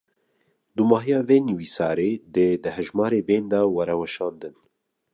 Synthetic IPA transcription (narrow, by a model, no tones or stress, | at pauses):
d̪umɑːɦijɑːveːniwiːsɑːɾeːd̪ed̪ɨhɛʒmɑːɾeːbeːnd̪ɑwɛɾɛwɛʃɑːnd̪ɨn